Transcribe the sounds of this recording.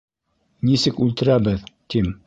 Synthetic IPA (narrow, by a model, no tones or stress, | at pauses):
nisɘkʉlt̪ɘ̆ɾæbɘðt̪im